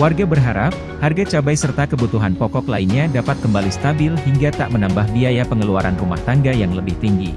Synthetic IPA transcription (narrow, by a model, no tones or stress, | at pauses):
warɡabərɦaɾap̚ | harɡat͡ʃabajsərt̪akəbut̪uɦanpɔkɔklainɲadapat̪̚kəmbalist̪abɪlɦiŋɡat̪a̰ʔmənambahbiajapəŋəluaɾanruma̰ht̪aŋɡajaŋləbɪht̪iŋɡi